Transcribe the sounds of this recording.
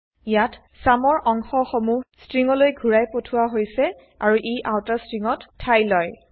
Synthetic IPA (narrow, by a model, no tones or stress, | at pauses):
jat | samɔɹʔɔŋxɔxomustɹiŋɔlojɡʱuɹajpotʰʊwaɦojsɛ | aɹuʔejʔawtastɹiŋɔtʰːajlɔj